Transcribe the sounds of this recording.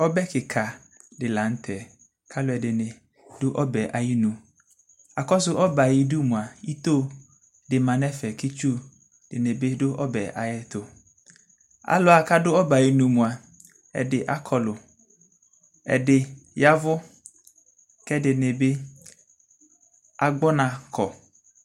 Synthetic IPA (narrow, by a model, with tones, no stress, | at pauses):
ɔ˦bɛ˦kɪ˨kʰa˨ | dɪ˨la˨˦n̩˦t̪ʰɛ˨ | kʰa˦lʊ˦ɛ˨dɪ˨nɪ˨ | dʊ˦ʔɔ˦bɛ˨ʔa˨ji˦nũ˨ | a˨kɔ˦s̬ʊ˦ʔɔ˦ba˨ji˨du˦mũ˨a˨i˦t̪o˦ | dɪ˨mã˨nɛ˦fɛ˨ki˦t͡ʃu˦ | d̥ɪ˨ne˨be˦dʊ˦ʔɔ˦bɛ˨ʔa̰˨jɛ˦t̪o˨ | a̰˨lʊ˦a˨ka˦dʊ˦ɔ˦ba˨ji˨nũ˨mũ˨a˨ | ɛ̰˨dɪ˨ʔa˦kʰɔ˨lʊ˨ | ɛ̰˨dɪ˨ja˦vʊ˦ | kɛ˦dɪ˨nɪ˨be˦ | a˨ɡ͡bɔ˦nã˨kʰɔ˨